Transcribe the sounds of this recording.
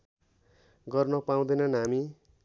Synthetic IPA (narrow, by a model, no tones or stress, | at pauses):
ɡʌrnʌpaũd̪ʌjnʌnɦami